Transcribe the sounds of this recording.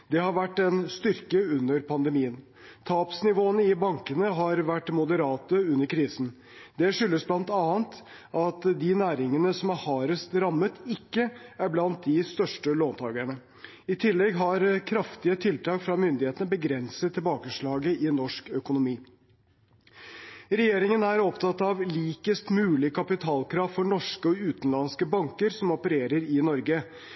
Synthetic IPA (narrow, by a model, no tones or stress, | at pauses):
d̪̥ɛhɑɾʋæʈːɛnst̪ʏɾkəʉnːəɾpʰɑnd̪əmiːən | t̪ʰɑːpsnɪʋoːənəɪbɑŋkənəɦɑɾʋæʈːmʊd̪əɾɑːt̪əʉnːəɾkʰɾiːsn̩ | d̪ɛʂʏlːəsblɑnt̪ɑːənt̪ | ʔɑt̪d̪ɪnæːɾɪŋənəsɔmæɾhɑːɾəst̪ɾɑmːət̪ɪkːəæɾblɑnt̪̚d̪ɪst̪œʂʈəloːnt̪ʰɑːɡəɳə | ɪt̪ʰɪlːɛɡɦɑɾkʰɾɑft̪ɪət̪ʰɪlt̪ʰɑːkfɾɑmʏnd̪ɪheːt̪nəbəɡɾɛnsət̪ʰːɪlbɑːkəʂɭɑːɡəʔɪnːɔʂkœkʊnʊmiː | ɾɛjeːɾɪŋənæɾɔpt̪ʰɑt̪ːɑʋliːkəst̪mʉːlɪkʰɑpɪt̪ʰɑːlkʰɾɑːʋfɔɳɔʂkəɔʉːt̪ənlɑnskəbɑŋkəɾsɔmɔpəɾeːɾəɾɪnɔɾɡə